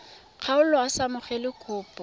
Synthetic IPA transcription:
q͡χʰaʊlɔasamʊχɛlɪkʰʊːpʼɔ

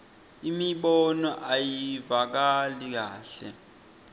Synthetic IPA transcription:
imiɓɔnɔʔajiivak̬alik̬a̰ːɬɛ̰

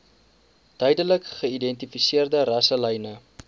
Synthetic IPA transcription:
d̥œjdələkχəidɛntifisiərdərɐsələjnə

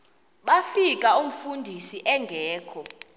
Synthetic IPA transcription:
ɓafikʼaum̩fundʱisiʔɛŋɡʱɛːkʰɔ

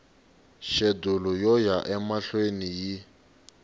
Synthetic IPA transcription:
ʃedulɔjɔjaʔɛmaɬweniji

